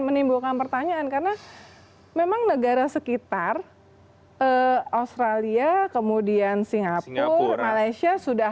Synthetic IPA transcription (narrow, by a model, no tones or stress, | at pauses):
mənimbukanpərt̪aɲaːnkaɾəna | memaŋnəɡaɾasəkit̪ar | əost̪ɾaliakəmudiansiŋɡapʊrmalajsiasudah